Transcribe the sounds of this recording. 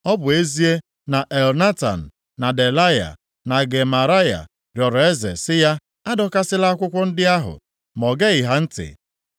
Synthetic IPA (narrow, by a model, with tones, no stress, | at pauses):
ɔ˦bʊ˨e˦zi˦e˦ | na˨ʔe˨lna˦ta̰˨n̩˨ | na˨de˨la˦ja̰˨ | na˨ɡe˨ma˨ɾa˦ja̰˨ | ɾjɔ˨ɾɔ˨e˦zḛ˨sɪ˦ja˦ | a˦dɔ˦ka˦sɪ˦la˦a˦kʷʊ˦kʷʊ˦n̩˦dɪ˦a˦ɦʊ̰˨ | mɔ˨ɡe˦ɪ˨ɦa˦n̩˦tɪ̰˨